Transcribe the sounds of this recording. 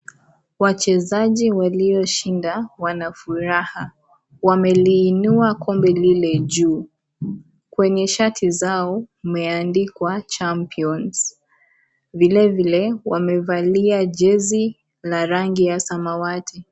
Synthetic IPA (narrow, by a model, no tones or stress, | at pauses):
wat͡ʃɛzaʄiwaliɔʃindawanafuɾaha | wamɛliːnuakʰɔmbɛlilɛʄuː | kwɛɲɛʃatʰizaɔumɛandikwat͡ʃampiɔnz̥ | vilɛvilɛwamɛvaliaʄɛzi | laɾaŋɡijasamawatʰi